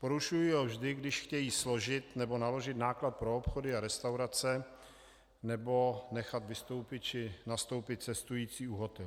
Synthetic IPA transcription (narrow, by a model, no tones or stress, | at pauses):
po̞ɾuʃujiɦovʒdɪɡdɪʃxcɛjiːslo̞ʒɪt̪nɛbo̞nalo̞ʒɪt̪naːklat̪̚pɾoopxodɪaɾɛst̪awɾat͡sɛ | nɛbo̞nɛxat̪vɪst̪o̞wpɪt̪̚t͡ʃɪnast̪owpɪt̪̚t͡sɛst̪ujiːt͡siːuɦot̪ɛl